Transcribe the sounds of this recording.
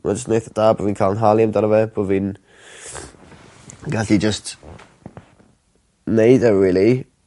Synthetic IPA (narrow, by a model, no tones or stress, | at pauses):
ma̰d͡ʒəstnejθəd̥aːboviːnkʰalˠənɦalˠjamdanəvɛbovin | ɡaɬid͡ʒəst | nejdɛɹɪlˠi